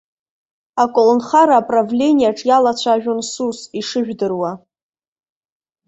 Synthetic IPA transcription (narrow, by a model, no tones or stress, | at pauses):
akʷʼolnχaɾaːpʼravlʲe̞nʲijaʈ͡ʂʼjalat͡ɕʷʰaʒᶣonsusiʂɨʒᶣdɨrwa